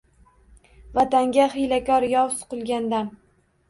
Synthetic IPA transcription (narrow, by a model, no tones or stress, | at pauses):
vat̪aŋɡʲaχɪjlakʲɒɾjɒwsʊ̥qɨlˠɡʲand̪an